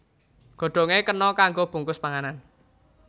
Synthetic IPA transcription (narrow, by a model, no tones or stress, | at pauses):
ɡ̥o̤ɖ̪̥o̤ŋekənɔkaŋɡob̥ṳŋkʊspaŋanan